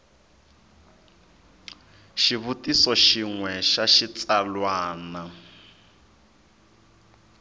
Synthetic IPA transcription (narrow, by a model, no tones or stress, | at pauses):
ʃiβutisɔʃiŋwɛʃaʃit͡sʼalwaːna